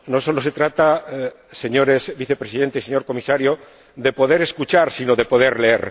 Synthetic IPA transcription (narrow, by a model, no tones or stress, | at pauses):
no̞so̞lo̞se̞t̪ɾat̪a | se̞ɲo̞ɾesbiθe̞pɾesiðe̞nt̪eseɲo̞ɾko̞misaɾjo | ðe̞po̞ðe̞ɾeskut͡ʃaɾsino̞ðe̞po̞ðe̞ɾleḛɾ